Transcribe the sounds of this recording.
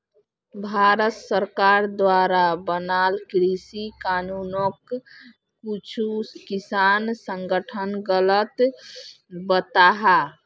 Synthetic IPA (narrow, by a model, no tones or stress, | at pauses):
bʱaɾət̪səɾkaɾd̪waɾabənaːlkɾisikaːnunokː | ut͡ʃʰukisaːnsə̃ŋɡəʈʰənɡələt̪ | bət̪aɦa